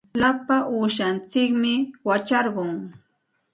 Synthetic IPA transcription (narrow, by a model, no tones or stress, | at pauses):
lapaʔuːʃant͡sɪkmɪwat͡ʃaɾɢʊŋ